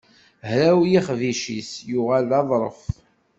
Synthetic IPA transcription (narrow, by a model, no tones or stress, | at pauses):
hɾæwjiχviʃisjʊʁalɑðˤɾˤə̰f